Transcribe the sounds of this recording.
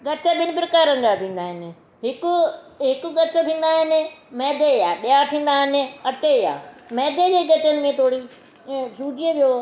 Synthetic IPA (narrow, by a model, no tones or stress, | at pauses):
ɡɐʈəɓɪnɪ̆p̬ɾɐkaːɾənd͡ʑat̪ʰĩːn̆d̪aːɦɪnɪ̆ | ɦɪkʊɦɪkʊ̆ɡɐʈət̪ʰĩːn̆d̪aːɦɪnɪ̆mɛːd̪ʱeaːɓijat̪ʰĩːn̆d̪aːɦɪnɪ̆ɐʈeja̰ːmɛːd̪ʱed͡ʑeːɡɐʈənɪ̆mẽt̪ʰoːɽi | suːd͡ʒiəʋijo